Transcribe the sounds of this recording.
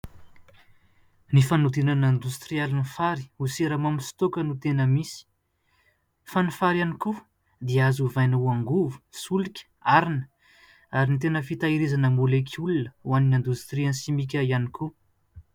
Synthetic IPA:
nifanud̪inanand̪ust̪ɾialinifaɾi̥useɾamamisi̥t̪okənut̪enəmisi̥ | fanifaɾjaniku | d̪iazuvajnəuaŋɡuvu̥sulikʲə̥aɾinə̥ | aɾinit̪enəfit̪aiɾizanəmulekʲʰulunəwaninand̪ust̪ɾiə̃nsimikʲəianiku

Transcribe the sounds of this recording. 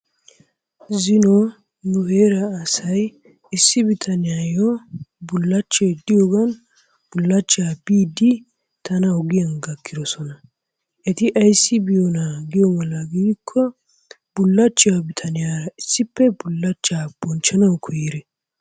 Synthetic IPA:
zɪnɔ | nʊheːɾɐːsɐj | ɪsːɪbɪt̪ʰɐnɪjaːjɔbʊlːɐt͡ʃːed̪ɪjɔɡɐn | bʊlːɐt͡ʃːaːbiːd̪ɪ | t̪ɐnɐɔɡɪjɐnɡɐkːɪd̪ɔsɔnɐ | ʔɛt̪ɪʔɐjsːɪbɪjɔnaɡɪjɔmɐlːɐɡiːkʰːɔ | bʊlːɐt͡ʃːɪjabɪt̪ʰɐnɪjaːɾɐɪsːɪpːɛbʊlːɐt͡ʃːaːb̥ɔnt͡ʃːɐnɐwkʰɔjiɾɛ

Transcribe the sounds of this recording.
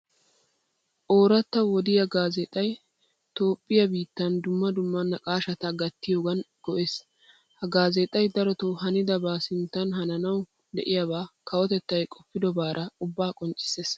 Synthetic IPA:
ʔoːɾɐt̪ːɐwɔd̪ɪjɐɡaːzɛt̪ʼɐj | t̪o̞ːpʼːɪjɐbiːt̪ːɐnd̪ʊmːɐd̪ʊmːɐnːɐkʼaːʃɐt̪ɐɡɐt̪ːɪjo̞ːɡɐn | ɡ̥ɔʔeːs | hɐɡaːzɛt̪ʼɐjd̪ɐɾɔt̪oɦɐnɪd̪ɐbaːsɪnt̪ːɐnɦɐnɐnɐw | d̪ɛ̰ʔɪjabaːkɐwɔt̪ɛt̪ːɐjkʼɔpːɪd̪ɔbaːɾʔɐʊbːaːkʼɔnt͡ʃʼːɪ̥seːs

